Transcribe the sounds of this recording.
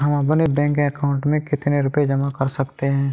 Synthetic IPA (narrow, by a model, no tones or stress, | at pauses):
ɦɐmãbɐnebɛ̃ːŋkəkaːʊ̃ɳʈmẽkɪt̪neɾʊpjed͡ʒɐmakɐɾsɐkt̪eɦɛ̃ː